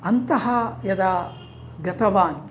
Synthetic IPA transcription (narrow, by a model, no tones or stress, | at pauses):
ɐnt̪ɐɦɐjɐd̪ɐ | ɡɐt̪ɐʋaːn